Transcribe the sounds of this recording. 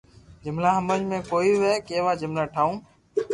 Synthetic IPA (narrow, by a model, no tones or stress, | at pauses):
d͡ʒʊmlaːɦəməɲmẽːkoːiːʋeːkeːʋaːd͡ʒʊmlaːʈʰaːũː